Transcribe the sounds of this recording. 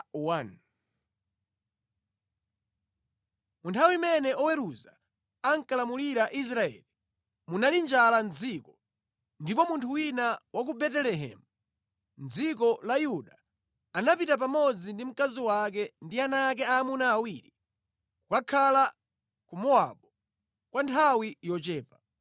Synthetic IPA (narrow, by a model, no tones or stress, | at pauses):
uwan | muntʰawimɛnɛʔɔwɛɾuza | aŋkalamuliɾaʔis̬ɾaɛ̰li | munalind͡ʒalanzikɔ | ndipɔmuntʰuwinawak̬ubɛtɛlɛɦɛ̰mu | nd͡zikɔlajuɗa | anapitap̬amɔd͡zindim̩kaziwakɛndianaːk̬ɛaːmunaːwiɾi | kukakʰala | kumɔa̰ɓɔ | kwantʰawijɔt͡ʃɛːpa